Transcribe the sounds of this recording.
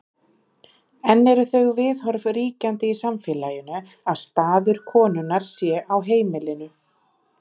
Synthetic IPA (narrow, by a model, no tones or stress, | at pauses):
ɛnːɛɾʏθœɣvɪðɦɔɾvriːcant̪ɪisamfɪlaːjʏnʏ | aðst̪aːðʏɾ̥kʰɔːnʏnaɾ̥sjɛʔawɦeːjmɪlɪnʏ